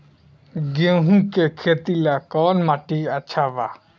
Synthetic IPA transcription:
ɡeɦũkekʰeːt̪ilakɔːnmaʈiətːʃʰaʋa

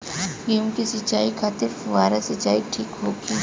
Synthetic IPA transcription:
ɡiũmkisit͡ʃaːikʰaːt̪ɪɾʋaːɾasɪt͡ʃaːiʈʰiːkɦoːɡiː

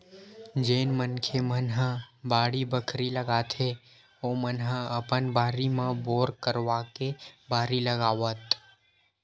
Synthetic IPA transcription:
d͡ʒenmənkʰemənɦəbaɽibəkʰɾiləɡat̪ʰe | omənɦəəpənbaɾimãboɾkəɾʋakebaːɾiləɡaʋət̪

